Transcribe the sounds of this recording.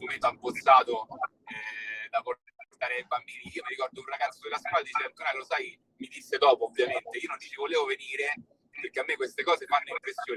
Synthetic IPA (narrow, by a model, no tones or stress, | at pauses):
moment̪oabːot̪sːaːt̪o | ɛd̪apoport̪aːɾeebamːiːɾiiːomiɾikɔrd̪ounraɡat̪sːod̪elːask̚walad̪it͡ʃɛaŋkoːɾaklosaj | mid̪isːed̪ɔːpoːbvːjament̪eiːonont͡ʃit͡ʃivoleːvoveniːɾe | perkːeamːekːwest̪ekɔːzefanːoimpɾesːjoːn